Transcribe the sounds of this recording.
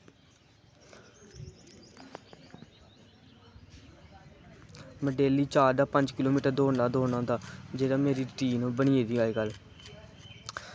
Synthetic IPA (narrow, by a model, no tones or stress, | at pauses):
məɖeːliːt͡ʃaːɾd̪aːpəɲd͡ʒkɪloːmiːʈəɾd̪oːnaːd̪oːnãːd̪aːd͡ʒeːɽaːmeːɾiːʈiːnũːbəɳiːeːd̪iːaːiːɡəl